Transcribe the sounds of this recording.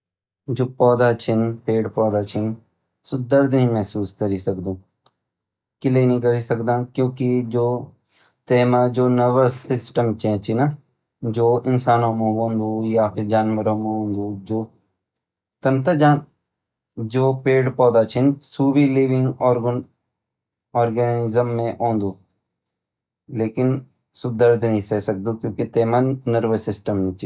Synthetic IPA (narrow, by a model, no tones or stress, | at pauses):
d͡ʒoːpɔːd̪at͡ʃʰɪnpeːɽpɔːd̪aːt͡ʃʰɪn | sod̪əɾd̪ɦĩmɛɦsuːskəɾisəkd̪ũː | kɪleinĩkəɾisəkd̪ãːkjõːkid͡ʒoː | t̪eːmãd͡ʒoːnəʋəsɪsʈəmt͡ʃʰɛ̃ːt͡ʃʰina | d͡ʒoːɪnsaːnõːmõːʋõnd̪uːjaːpʰɪɾd͡ʒaːnʋəɾõːmẽõːnd̪ud͡ʒoː | t̪ɐnt̪əd͡ʒaːn | d͡ʒoːpeːɽpɔːd̪at͡ʃʰɪnsuːbiliːʋɪ̃ŋɡɔːɾ | ɔːɾɡɛnɪzəmːẽʔõːnd̪uː | leːkɪn | sʊd̪əɾd̪ʱnɐɦĩsɛsɐk̚d̪ukjõːkit̪eːmanəɾʋəsɪsʈəmt͡ʃʰi